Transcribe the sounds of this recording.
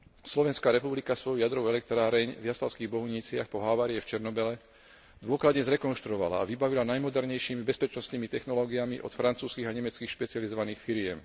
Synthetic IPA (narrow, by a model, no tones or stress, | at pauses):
slɔʋɛnskaːɾɛpublikasʋɔjjad̪ɾɔʊɛlɛk̚t̪ɾaːɾɛɲvjaslaʊskiːɣbɔɦuɲiːt͡sɪaxpɔɦaʋaːɾiɛft͡ʃɛɾnɔbɛlɛ | d̪ʋʊɔklad̪ɲɛzɾɛkɔnʃt̪ɾuɔʋa̰la̰a̰ʋibaʋilanajmɔd̪ɛɾɲɛjʃiːmibɛspɛt͡ʃnɔst̪niːmit̪ɛxnɔlɔːɡiamiʔɔ̰t̪fɾant͡suːskiːɣaɲɛmɛt͡skiːxʃpɛt͡siɪalizɔʋaniːxfiɾɪɛm